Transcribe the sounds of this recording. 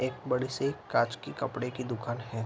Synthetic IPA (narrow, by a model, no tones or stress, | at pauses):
eːk̚bɐɽisekaːt͡ʃkikɐpɽekid̪ʊkʰaːnɦɛː